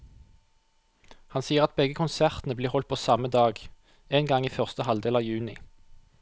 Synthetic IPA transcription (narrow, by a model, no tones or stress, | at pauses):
hɑnsiːəʁɑt̪̚bɛɡəkʰʊnsæʁt̪n̩əbliːʁhɔlt̪̚pʰoːsɑməd̪ɑːɡ | eːnɡɑŋiːfœʁst̪əhɑld̪eːlɑːʋjʉːnɪ